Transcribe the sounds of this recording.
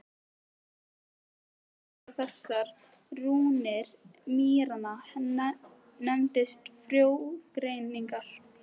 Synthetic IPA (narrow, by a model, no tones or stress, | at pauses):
pɔfɛsːaɾ | ɾuːnɛɾmiːɾanahn | nɛmt̪ɪst̪fɾjowɡ̥ɾejniŋkaɾ̥